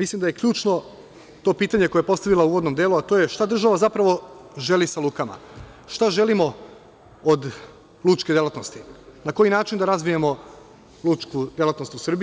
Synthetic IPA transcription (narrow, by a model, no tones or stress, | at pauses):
mislˠimd̪aje̞kʎuːt͡ʃno̞ | t̪o̞ːpiːt̪aɲe̞ko̞jeepo̞st̪aʋilauːʋo̞d̪no̞md̪jeluat̪o̞ːje̞ʃt̪ad̪r̩ʒaʋazapɾaʋo̞ʒe̞lisaluːkama̰ | ʃt̪aʒe̞limo̞ | od̪ | lˠut͡ʃked̪je̞lˠat̪no̞st̪inako̞jinaːt͡ʃind̪aɾazʋijemo̞ | lut͡ʃkud̪ʲjelˠat̪no̞st̪usr̩bi